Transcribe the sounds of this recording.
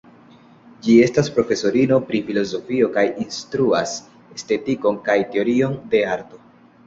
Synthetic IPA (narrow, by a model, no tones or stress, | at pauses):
d͡ʒie̞staspɾo̞fe̞so̞ɾino̞pɾifilo̞zo̞fio̞kajinstɾuas | e̞ste̞tiko̞nkajte̞o̞ɾio̞nde̞aɾto̞